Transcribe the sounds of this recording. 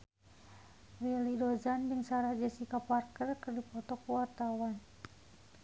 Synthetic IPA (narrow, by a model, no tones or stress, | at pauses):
rilidɔzandəŋsaɾad͡ʒɛsikaparkərkərdipɔt̪ɔkuwart̪awan